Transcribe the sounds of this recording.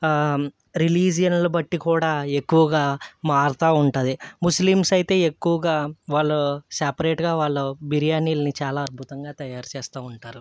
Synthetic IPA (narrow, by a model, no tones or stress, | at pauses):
ɾiliːd͡ʒijɐnlɐbɐʈːikuːɽaːe̞kːuʋɐɡaːmaːɾt̪aːuɳʈɐd̪imuslimsɐjt̪e̞ːekːuʋɐɡaːʋaːɭːusɐpɐɾeːʈɡaːʋaːɭːɐbiɾijaːniːlɐnit͡ʃaːlaːɐd̪̚bʱut̪ɐŋɡaːt̪ɐjaːɾt͡ʃɛːst̪aːuɳʈaːɾu